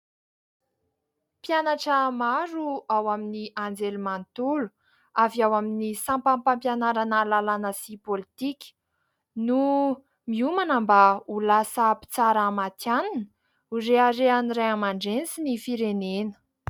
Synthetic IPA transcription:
pjanaʈ͡ʂəmaɾuawaminiʔand͡zelumant̪ulu̥ | aviawaminisãmpampampjanaɾanalalanəsipolit̪ikʲ | nu | miumanəmbaulasəpi̥t͡saɾamat̪janan | uɾeaɾeanireamaɳɖ͡ʐensinifiɾenenə̥

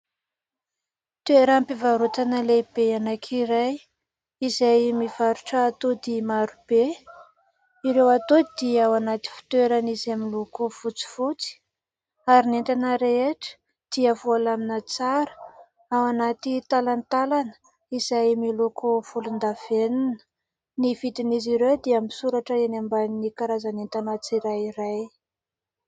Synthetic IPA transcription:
t̪eɾampivaɾut̪anəlebeanakʰiɾaj | izajmiv̥aɾuʈ͡ʂəːt̪od̪imaɾub̥e | iɾewat̪od̪iawanat̪i̥fi̥t̪weɾanizaminlokofut͡si̥fut͡si̥ | aɾinent̪anəɾeeʈ͡ʂə̥ | d̪̥iavoalaminət͡saɾə̥ | awanat̪it̪alant̪alanə̥ | iz̥ajmilokʰofulund̪av̥eninə̥ | niv̥it̪iniziɾewd̪iamisuɾaʈ͡ʂəenambannikaɾazanent̪anat͡siɾajiɾaj

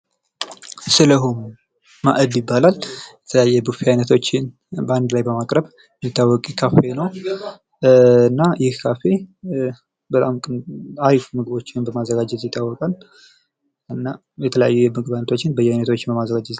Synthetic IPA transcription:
sɨləɦumuː | aʔədjɪbːalaljɛt̪ʰələjajːɛbufiajnət̪ʰo̞t͡ʃːɪn | bəand̪lajbəmakʼɾəβ | mit̪ːawːɔkʼkʰafenəw | ɨnːajɪhkʰafe̞ | bət̪ʼamkʼɨaɾifumɨɡɨbo̞t͡ʃːɪnbəmazːəɡad͡ʒɛt̪jɪt̪ʰʼːawːɔkʼal | ɨnːa | jɛt̪ʰələjajːumɨɡɨbajnət̪ʰot͡ʃːɪnbəjɛajnət̪ʰo̞t͡ʃːɪnbəmazːəɡad͡ʒɛt̪

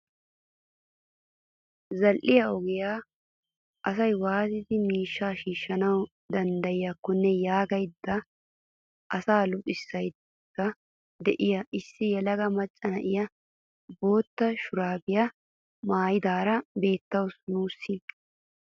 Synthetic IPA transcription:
zɐlʔɪjɐɔɡɪjaː | ʔɐsɐjwaːt̪ɪd̪ɪmiːʃːaːʃiːʃːɐnɐw | d̪ɐnd̪ɐjɪjɐkːʊnːɛjaːɡɐjd̪ːɐ | ʔɐsaːlʊpʼːɪsːɐjd̪ | kːɐ | d̪ɛʔɪjɐɪsːɪjɛlɐɡɐmɐt͡ʃʼːɐnɐʔɪjɐ | bo̞ːt̪ːɐʃʊɾaːbɪjɐ | maːjɪd̪aːɾɐbe̞ːt̪ːɐwsnuːsːɪ

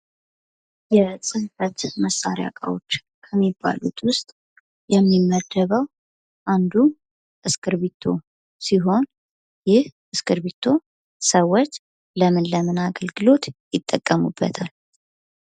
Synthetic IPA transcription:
jɛsʼɨlfət̪məsːaɾeja̰kʼawo̞t͡ʃː | kʰəmːibːa̰lut̪ʰwʊst̪ʼ | jɛmːimːəd̪ːəβəw | ʔand̪u | ʔɨskɨɾβit̪ʰːo̞ | siɦo̞n | jɪh | ɨskɨɾβit̪ʰːo̞ | səwːot͡ʃː | ləmɨnləmɨnaɡəlɡɨlo̞t̪jɪt̪ʼːəkʼːəmubːə̰t̪ʰal

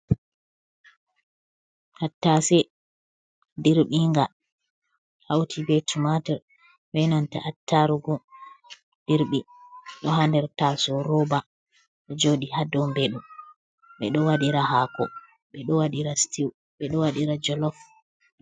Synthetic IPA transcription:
hatːasɛ | diɾɓiŋɡa | hawtʰibɛtumatɛɾ | wɛnanta̰ʔatʰːaɾuɡɔ | d̥iɾɓi | ɗɔhandɛɾtasɔɾɔba | ɗɔd͡ʒoɗihadɔmbɛɗum | ɓɛɗɔwaɗiɾahakɔ̰ | ɓɛɗɔwaɗiɾastiw | ɓɛɗɔwaɗiɾad͡ʒɔlɔf

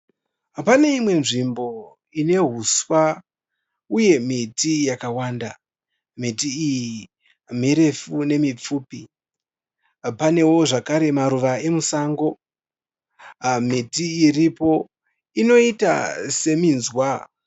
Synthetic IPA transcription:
pane̞imwe̞nʐimbo̞ | ine̞ɦuswa | uje̞mitijakawaːnda | mitiːji | miɾe̞fune̞mip͡fuːpi | pane̞wo̞ʐakaɾe̞maɾuʋae̞musaːŋɡo̞ | mitiːripo̞ | ino̞ita̰se̞minzwa

